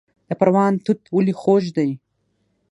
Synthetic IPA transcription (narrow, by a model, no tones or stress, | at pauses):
d̪̥ɐpɐɾwɑːnt̪ut̪wulixoʒd̪ɐj